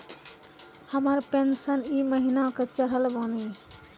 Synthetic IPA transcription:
həməɾpensəniməɦinaket͡ʃəɾəlboni

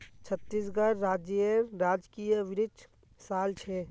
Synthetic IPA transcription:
t͡ʃʰət̪ːisɡəɾːaːd͡ʒəɾad͡ʒkijəʋɪɾɪd | saːlt͡ʃʰe

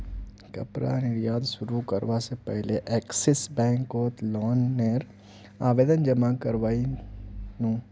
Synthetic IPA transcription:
kɐ̰pɾa̰nɪɾjaːd̪ʃʊɾukɐɾʋasepɛɦleʔɛːksɛsbɛ̃ːŋkoːt̪lɔːnːeːɾ | aːʋeːd̪ənd͡ʒɐmakɐɾʋaːi | nũː

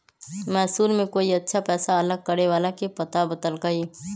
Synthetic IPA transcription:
mɛːsuːlmẽkoːiɐtːʃʰapɛːsaɐləɡ̚kəɾeʋaːlakepɐt̪abəd̪əlkaɦiː

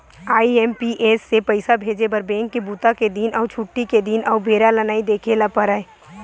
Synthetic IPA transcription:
aːiɛːmpiʔeːsːepɐɪsabʱeːd͡ʒebɐɾbẽːŋkːibuːt̪aked̪inʔɔːt͡ʃʰuʈːiked̪iːnɔːbʱeːɾalɐnaːid̪eːkʰelapəɾae

